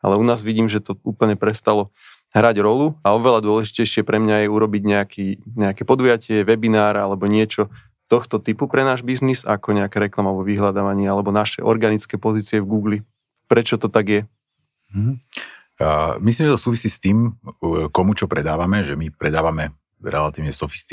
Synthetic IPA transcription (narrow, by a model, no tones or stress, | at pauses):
a̰lɛunaːzʋiɟiːmʒɛt̪ɔuːpl̩ɲɛpɾɛst̪alɔ | ɦɾaɟɾɔluaɔʋɛlad̪ʊɔlɛʒicɛjʃɪɛpɾɛmɲajɛuɾɔbiɟɲɛakʰiːɲɛakɛpɔd̪ujacɪɛʋɛbinaːɾalɛbɔɲɪɛt͡ʃɔ | t̪ɔxt̪ɔt̪ipupɾɛnaːʒbiznizakɔɲɛakɛɾɛklamalɛbɔʋiɦlad̪aʋaɲɪɛalɛbɔnaʃɛ̰ʔɔ̰ɾɡanit͡skɛːpɔziːt͡siɛvɡuːɡli | pɾɛt͡ʃɔt̪ɔt̪aɡjɛ | ɦ̩ | mis̬limʒɛt̪ɔsuːʋisiːst̪iːmkɔmut͡ʃɔpɾɛd̪aːʋamɛʒɛmipɾɛd̪aːʋamɛ | ɾɛ̰lat̪iːʊɲɛsɔfi̥st̪i